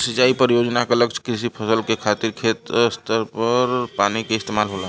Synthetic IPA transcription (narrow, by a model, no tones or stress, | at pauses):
sit͡ʃaipəɾijod͡ʒnakeləɡt͡ʃʰkɾisipʰəsəlkekʰat̪iɾkʰet̪st̪əɾpəɾpanikeɪst̪emalɦola